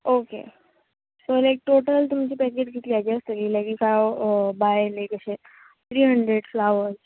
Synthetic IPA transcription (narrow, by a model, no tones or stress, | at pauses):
okḛ | solajk̚ʈoʈəlt̪umt͡ɕiːpɛkeʈɡʱit̪liat͡ɕiəst̪əliːlaɡikajbajlekəɕe | t̪ʰɾiːɦəɳɖɾeɖflaʋəɾz